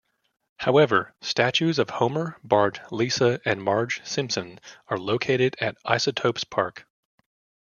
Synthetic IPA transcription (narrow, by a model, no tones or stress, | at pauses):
haʊɛvə˞stæt͡ʃʉzʌv̥hõʊ̃mə˞bɑɹdlisəɨ̃nmɑɹ̥ʒ̥sɪ̃mpsɨ̃nə˞loʊkʰeɪɾɨɾɨɾa̰ɪsɨtʰoʊpspʰɑɹk